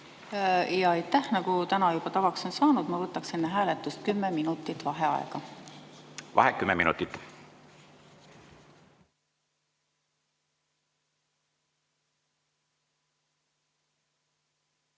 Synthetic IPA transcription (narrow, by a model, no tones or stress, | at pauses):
jɑɑjt̪ːæhnɑɡut̪ænɑjub̥ɑt̪ɑvɑkso̞nsɑːnud̪̥mɑvɤt̪ːˑɑkse̞nːeɦæːlet̪ːˑust̪̚kymːeminut̪ːˑit̪ːˑvɑɦeɑ̰ḛɡ̥ɑ | vɑ̰ɦekːymːemḭnṵt̪ːˑit̪ːˑ